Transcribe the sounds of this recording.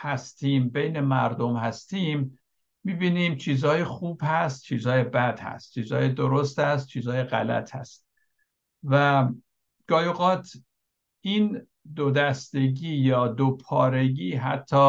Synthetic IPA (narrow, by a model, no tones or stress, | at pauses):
hæst̪iːmbejne̞mæɾd̪omhæst̪iːmː | iːbiːniːmt͡ʃʰiːzhɒːjexuːb̥hæst̪̚t͡ʃʰiːzhɒːjebæd̪hæ̰st̪̚t͡ʃʰiːzɒːjed̪oɾost̪æst̪̚t͡ʃʰiːzɒːjeɣæ̰læ̰t̪ʰhæ̰st̪̚ | væ | ɡ̥ɒːjoɣɒːt̪ʰ | ʔiːn | d̪od̪æst̪e̞ɟiːjɒːd̪opʰɒːɾe̞ɟiːɦæt̪ʰːɒː